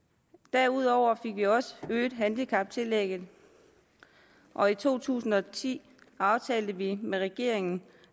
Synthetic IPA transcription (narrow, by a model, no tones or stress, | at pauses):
d̥æɐ̰uð̞̰ˠɒʊ̰ɐfe̝ɡ̥ʋiɒ̽səøːd̥ɦænd̥ikʰɑ̈b̥̚t͡sʰe̝leɡ̥ð̩ˠ | ʔɒ̽it͡sʰo̝̰ːt͡sʰṵːsn̩ɒ̽t͡sʰḭː | ɑ̈ʊt͡sʰɛːld̥əʋimeʁɛɡ̥e̝ɐ̰e̝ŋn̩